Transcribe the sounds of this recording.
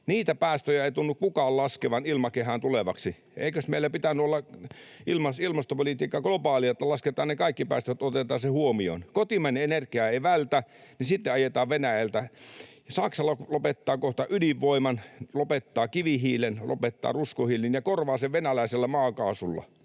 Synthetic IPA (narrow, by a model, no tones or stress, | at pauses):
niːt̪æpæːst̪øjæeˑit̪unːukkukɑːllɑskeʋɑnilmɑkehænt̪uleʋɑksi | ʔḛikøsmeilæpit̪ænːˑyolːɑilmɑsilmɑst̪opolit̪iːkːɑɡ̥lopɑːliɑt̪ːɑlɑsket̪ɑːnnekɑikːipæ̰ːst̪øt̪ot̪et̪ɑːsehuomio̰nkot̪imæneenerkiɑeiʋælt̪ænisit̪ːeɑjet̪ɑːʋʋenæjælt̪æ | sɑksɑlːɑlopet̪ːɑːkoht̪ɑʔyliʋʋoimɑnlopet̪ːɑːkiʋihiːlenlo̰pet̪ːɑ̰ːruskohiːlinjɑkorʋɑːseʋʋenælæˑiselːæmɑːkɑːsulːɑ̰